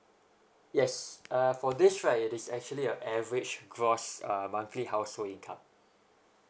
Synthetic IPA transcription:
jɛsʌfɔdɪsɹãɪtɪsɛk̚t͡ʃuəliə̃nɛvəɹid͡ʒɡɹɔsʌmãŋkʰlihaʊsholĩnkʰã̰m

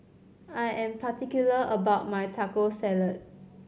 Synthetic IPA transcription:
ajʔɛ̃mpʰatikjuləʔəbaʊt̚majtʰakosɛlət̚

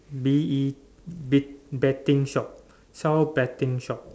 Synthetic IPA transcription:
bii | bitbɛtĩŋʃɔp̚ | sawbɛtĩŋʃɔp̚

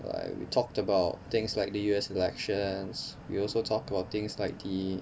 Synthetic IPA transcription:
la̰ɪkwḭtʰɔk̚təbaʊtt̪ɪ̃ŋslaɪk̚dəjuɛsilɛkʃə̃nswḭɔlsotʰɔk̚təbaʊt̚t̪ɪ̃ŋslaɪk̚di

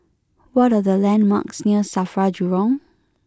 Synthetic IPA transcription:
wɔtadəlɛ̃nma̰ksniəsafɹad͡ʒuɹɔ̃ŋ

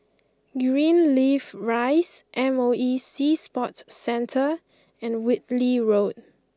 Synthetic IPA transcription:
ɡɹĩnlivɹaɪsʔɛ̃moisispɔtsɛ̃ntʰə | ɛ̃nwɪt̚liɹod̚

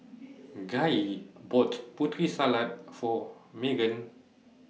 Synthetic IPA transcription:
ɡaibɔtputɾisalat̚fɔmeɡə̃n

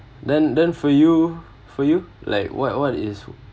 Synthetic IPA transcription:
dɛ̃ndɛ̃nfɔju | fɔjula̰ɪkwɔ̰t̚wɔtɪs

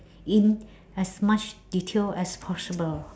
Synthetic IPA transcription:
ĩn | ɛsmat͡ʃditʰelɛspʰɔsibəl

